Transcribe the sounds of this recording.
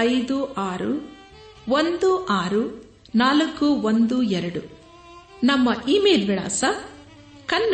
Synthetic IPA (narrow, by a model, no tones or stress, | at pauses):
ɐjd̪uʔaːɾṵ | ʋond̪uʔaːɾu | naːlɐkːuʋond̪uɛɾɐɽu | nɐmːɐʔiːmeːlʋiɭa̰ːsɐ | kɐnː